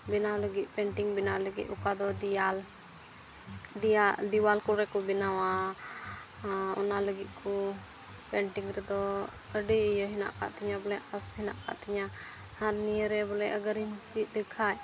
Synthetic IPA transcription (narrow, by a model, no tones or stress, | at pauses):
binawləɡit̪̚ˀpɛɳʈiŋbinaləɡḭt̪̚ˀukad̪ɔd̪al | d̪ad̪iwalkɔlɾɛkɔbinawa | ɔ̰naləɡit̪̚ˀkʰɔ | pɛɳʈiŋɾɛd̪ɔ | əɖiəjəɦina̰ʔka̰ʔt̪iɲabɔlɛəshinaʔka̰ʔt̪iɲa | haɾnijəɾɛbɔlɛəɡəɾiɲt͡ʃit̪̚ˀd̪ɛkʰaj